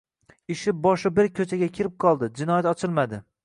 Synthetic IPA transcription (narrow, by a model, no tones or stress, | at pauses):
ɪʃɪbɒʃɪbɪɾkʲʰɵt͡ʃʰaɡʲakʲʰɪɾɪp̚qʰɒlˠd̪ɪd͡ʒɪnɒjat̪ɒt͡ʃʰɪlˠmad̪ɪ